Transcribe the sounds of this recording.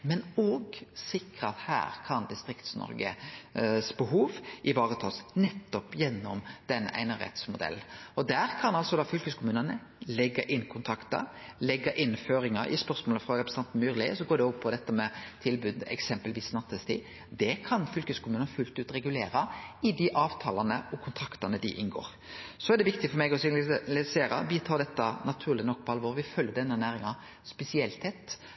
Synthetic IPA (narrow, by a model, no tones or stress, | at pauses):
mɛnɔɡsɪkɾəɑt̪hæ̰ːɾkʰɑnd̪ɪst̪ɾɪkt̪snɔ̰ɾɡə̰ | sbəɦuːʋʔɪʋɑːʁət̪ʰɑːsnɛt̪ːɔpjɛnːɔmd̪̥ɛnːʔæ̰ɪnɑʁɛ̰t̪smʊd̪ɛ̰lːɔd̪æːɾkʰɑnɑlsɔd̪ɑːfʏlkəskʰʊmʉːnənə | lɛɡːɑʔɪnːkʰʊnt̪ʰɾɑkt̪ə̰lɛɡːɑʔɪnføːɾɪŋɑɾʔɪ̰spœɾsmoːləfɾʁɑɾɛpɾɛsət̪ɑnn̩myːɾlɪ̰sɔɡoːɖ̪ɛɔpʰːɔd̪ɛt̪ːəmɛt̪ʰɪlbʉːd̪ɛ̰ksɛmpəlʋiːsnɑt̪ʰəst̪ɪ̰ | d̪ɛkʰɑnfʏlkəskʰʊmʉːnənfʉlt̪ʉːt̪ɾɛɡʉleːɾɑɪd̪ɪʔɑːʋt̪ʰɑːlɑnə̰ɔkʰʊnt̪ʰɾɑkt̪ɑnəd̪ɪʔɪnɡo̰ːɾ | sɔɛɖ̪ɛʋɪk̚t̪ɪfɔɾmɛɡɔsɪlɪseːɾɑ̰biːt̪ʰɑːd̪ɛt̪ːənɑt̪ʰʉːʁlɪnɔk̚ːpʰɔɑlʋoːɾʋɪfœljəd̪ɛnːənæːɾɪŋɑ | spɛsɪɛlt̪ʰːɛt̪ː